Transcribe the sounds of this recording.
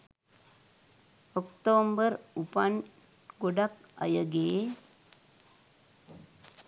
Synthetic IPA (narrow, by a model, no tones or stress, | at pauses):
ɔkʈoːmbəɾupɐn | ɡoɖɐkɐ̰jɐɡeː